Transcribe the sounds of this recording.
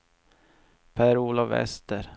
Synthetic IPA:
pʰæːɾuːlɔvɛ̰st̪əɾ

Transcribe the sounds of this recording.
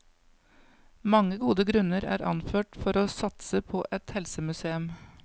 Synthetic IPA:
mɑŋəɡuːd̪əɡɾʉnəɾæ̰ːɾɑ̰nføːʈfɔɾoːsɑt̪səpʰoːʔɛt̪hɛlsəmʉseːʉm

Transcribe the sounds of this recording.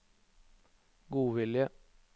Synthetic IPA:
ɡuːʋɪljə

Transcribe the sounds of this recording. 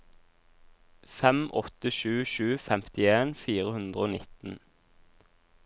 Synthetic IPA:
fɛmʔɔt̪əʃʉːʃʉːfɛmt̪ɪeːnfiːʁəhʉnd̪ʁəoːnɪt̪n̩

